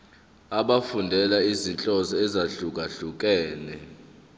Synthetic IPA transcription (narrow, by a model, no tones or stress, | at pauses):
aɓafundʱɛlaizint͡ɬʼɔzɔɛzaɬuk̬ʼaɬuk̬ʼɛːlɛ